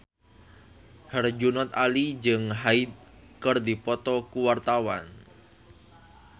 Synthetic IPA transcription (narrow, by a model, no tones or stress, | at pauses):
hərd͡ʒunɔt̪alid͡ʒəŋɦaid̪̚kərd̪ipɔt̪ɔkuwart̪awa̰n